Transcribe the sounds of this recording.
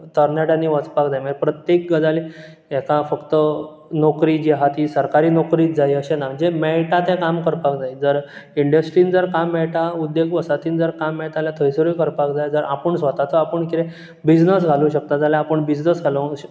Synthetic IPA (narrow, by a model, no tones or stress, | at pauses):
t̪əɾnaɽanːiːʋət͡spakd͡zajm̤ə̃d͡ʑpɾət̪jek̚ɡəd͡zale | ɛkafəkt̪ə | nokɾiːd͡ʑiɦat̪iːsəɾkaɾiːnɔkɾiːt̪d͡zaiəɕenam̤əɳd͡zemɛɭʈat̪ẽkamkəɾpakd͡zaid͡zəɾ | iɳɖəsʈɾiːnid͡zəɾkamːɛɭʈaud̪jeɡʋəsat̪iːnd͡zəɾkamːɛɭt̪aljat̪ʰəjsəɾujkəɾpakd͡zajd͡zəɾʔapəɳsʋət̪at͡səapəɳkiɾe | bid͡znəs̬ɡʱalũɕək̚t̪ad͡zalaapəɳbid͡ʑnəsɡʱaləɕ